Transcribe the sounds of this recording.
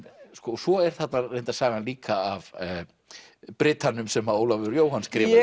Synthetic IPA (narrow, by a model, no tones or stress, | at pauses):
skɔsvɔɛɾ̥θat̪narejnt̪asaːɣanliːkʰaːv | pɾɪt̪anʏmsɛmhaoːwlavʏʏɾjoːwhanskɾɪːv